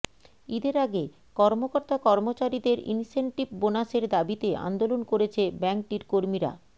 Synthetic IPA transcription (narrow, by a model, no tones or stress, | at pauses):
id̪eɾaɡe | kɔɾmokoɾt̪akɔɾmot͡ɕaɾid̪eɾḭnseɳʈibbonaʃeɾd̪abit̪eʔa̰nd̪olonkoɾet͡ɕʰebɛŋkʈiɾkoɾmiɾa̰